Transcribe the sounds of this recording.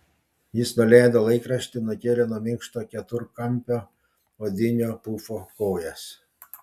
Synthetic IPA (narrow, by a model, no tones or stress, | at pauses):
jɪsnʊlʲæːd̪olˠɐɪkɾɐʃʲt̪ʲɪnʊkʲeːlʲɛnuɔmʲɪŋkʃt̪oːkʲɛt̪ʊɾkɐmʲpʲoː | od̪ʲɪnʲoːpuːfoːkɔːjɛs